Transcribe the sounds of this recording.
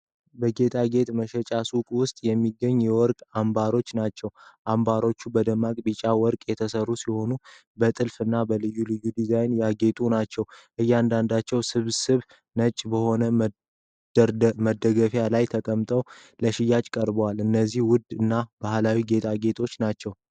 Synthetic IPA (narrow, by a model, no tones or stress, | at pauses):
bəɡe̞t̪ʰʼaɡe̞t̪məʃɛt͡ʃʼasukʼwʊst̪ʼjɛmːiɡːəɲːjɛwɔɾkʼambaɾo̞t͡ʃːnat͡ʃːɛwʔambaɾo̞t͡ʃːubəd̪əmːakʼbit͡ʃʼawɔɾkʼjɛt̪ʰəsərːusiho̞nu | bət̪ʼɨlfɨnːabəlɨjːulɨjːud̪izajnjaɡe̞t̪ʼunat͡ʃːɛwʔɨjːand̪and̪at͡ʃːɛwsɨβsɨβ | nət͡ʃʼːbəho̞nə | məd̪əɡəfjalajt̪ʰəkʼəmt̪ʼəwləʃɪjːat͡ʃʼkʼəɾbwalɨnːəzːihwʊd̪ɨnːab̥ahlawiɡe̞t̪ʰaɡe̞t̪ʰo̞t͡ʃːnat͡ʃːɛw